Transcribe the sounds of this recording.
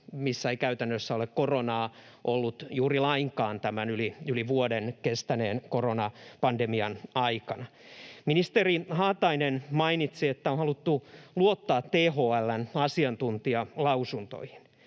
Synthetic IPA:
misːæeikæyt̪ænːøsːæolekkoronɑː | ʔolːut̪juːrilɑiŋkɑːnt̪æmænyliyliʋuodenkest̪æneːnkoronɑpɑndemiɑnɑikɑnɑminist̪erihɑːt̪ɑinenmɑinit̪siet̪ːæonhɑlut̪ːuluot̪ːɑːt̪ːeːhoælːænɑsiɑnt̪unt̪iɑlɑusunt̪o̰ihi̥n

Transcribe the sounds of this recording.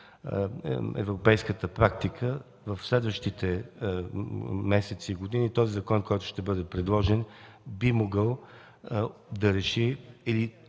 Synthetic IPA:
ɛ̰vɾʊpɛjskət̪əpɾak̚t̪ikʰə | vəfslɛd̪vəʃt̪it̪ɛ | mɛsɛt̪siːɡʊd̪init̪ɔzizɐkɔnkɔjt̪ʊ̥ʃt̪ɛbɤd̪ɛpɾɛd̪lˠɔʒɛnbimoɡəlˠ | d̪ɐɾɛʃiili

